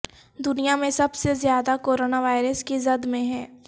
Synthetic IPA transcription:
d̪ʊnijamẽsɐbsezjaːd̪akoːɾoːnaʋaːɪɾəskizɐd̪mẽɦɛː

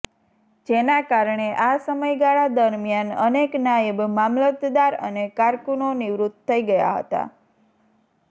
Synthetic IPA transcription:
d͡ʒenakaɾɳeʔasəməjɡaɭad̪əɾmjanəneknajəbmamlət̪d̪aɾə̰nekaɾkunoniʋɾut̪ʰːəiɡəja̰ɦə̰t̪a̰

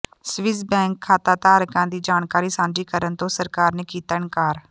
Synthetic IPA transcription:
sʋɪsbɛ̃ːŋkʰːaːt̪aːt̪aːɾəkãːd̪iːd͡ʒaːnkaːɾiːsãːd͡ʒiːkəɾənt̪õːsəɾkaːɾneːkiːt̪aːnkaːɾ

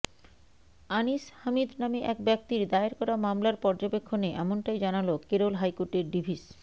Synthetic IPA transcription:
anishamid̪nameʔɛkbɛk̚t̪iɾd̪aeɾkɔɾamamlaɾpɔɾd͡ʑobekʰːoneʔɛmonʈajd͡ʑanalokeɾolɦajkoɾʈeɾɖibʱis

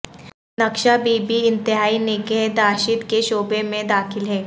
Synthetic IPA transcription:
nɐkʃabiːbiɪ̃nt̪ɪɦaːinɪkeɦd̪aːʃɪt̪keʃoːbemẽd̪aːxʰɪlɦɛː

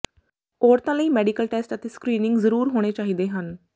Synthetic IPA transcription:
oːɾt̪ãːləiːmɛːɖiːkəlʈeːsʈət̪eːskɾiːnɪŋɡzəɾuːɾɦoːɽ̃eːt͡ʃaːɦiːd̪eːɦən

